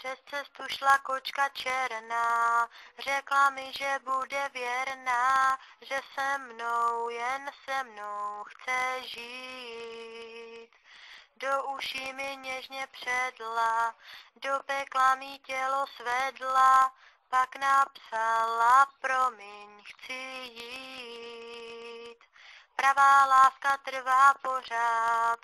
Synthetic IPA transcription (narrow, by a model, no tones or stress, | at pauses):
pr̥ɛst͡sɛst̪uʃlako̞t͡ʃkat͡ʃɛɾnaːr̝ɛklamɪʒɛbudɛvjɛɾnaːʒɛsɛmːnowjɛnsɛmnowxt͡sɛʒiː | t̪douʃimɪɲɛʒɲɛpr̝̥ɛdladopɛklamiːcɛlosvɛdla | paknapsalapɾo̞mɪɲxt͡sɪjii | t̪ | pɾavaːlaːskat̪r̩vaːpo̞r̝aːt̪